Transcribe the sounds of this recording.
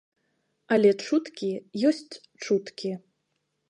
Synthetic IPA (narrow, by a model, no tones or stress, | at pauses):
ɐlʲɛt͡ʂut̪kʲijɔsʲt͡sʲ | t͡ʂut̪kʲi